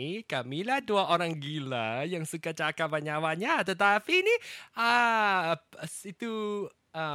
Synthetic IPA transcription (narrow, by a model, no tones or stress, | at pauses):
kamilahduaʔoɾaŋɡilajaŋsukat͡ʃakapaɲawaɲat̪ət̪apiniə | sit̪u | ə